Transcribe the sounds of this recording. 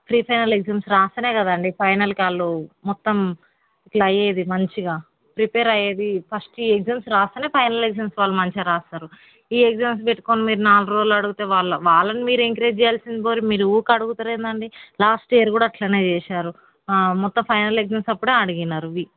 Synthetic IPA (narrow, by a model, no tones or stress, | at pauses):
pʰɾiːpʰɐjnɐleɡzeːmsɾaːst̪ɐne̞ːkɐd̪ɐɳɖipʰɐjnɐlkiaːɭːumɔt̪ːɐm | iʈlɐjeːd̪imɐɲt͡ʃiɡaː | pɾipeːɾɐjeːd̪ipʰɐsʈiːekzeːmsɾaːst̪ɐneːpʰɐjnɐleɡzeːmsʋaːɭːɐmɐɲt͡ʃeɾaːst̪aːɾu | iːeɡzeːms̬beʈːu̥koːnimiːɾunaːluɾoːd͡ʒlɐɽuɡut̪e̞ːʋaːɭːɐʋaːlːɐnimiːɾueŋkɾeːd͡ʒt͡ʃɛjaːlsind̪iboːɾimiːɾuuːkɐɽuɡut̪ɐːɾeːnd̪ɐɳɖilaːsʈeːɐɾkuːɽaːʈlɐne̞ːt͡ʃɛːʃaːɾu | mɔt̪ːɐmpʰɐjnɐleɡzeːmsɐpːuɽeːɐɽiɡinːaːɾuʋi